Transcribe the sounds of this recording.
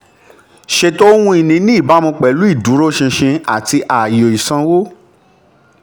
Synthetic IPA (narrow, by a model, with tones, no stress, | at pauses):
ʃe˧to˦wũ˧˦i˨nĩ˧˦nĩ˦i˦˨ba˨˦mũ˧k͡pɛ˨˦lu˨˦i˦˨du˨˦ɾo˦ʃĩ˧ʃĩ˧a˨ti˧ʔa˨jo˨i˨sã˧˦wo˦